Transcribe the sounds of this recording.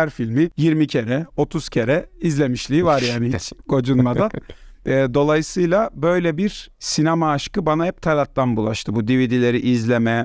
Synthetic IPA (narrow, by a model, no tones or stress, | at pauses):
æɾfilʲmijiɾmicʰe̞ɾɛo̞t̪ʰuz̥cʰe̞ɾɛizlʲe̞miʃlʲiivaɾjaːnihit͡ʃɡo̞d͡ʒunmad̪anɛd̪o̞lˠajɯsɯjlˠabø̞jlʲɛbiɾsinamaːʃkɯbanahɛp̚t̪ʰalʲat̪lanbulˠaʃt̪ʰɯbud̪ivid̪ilʲe̞ɾiʔizlʲemɛ